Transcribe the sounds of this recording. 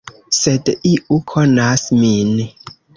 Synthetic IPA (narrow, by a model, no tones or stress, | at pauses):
sɛdiʔukʰɔnasmine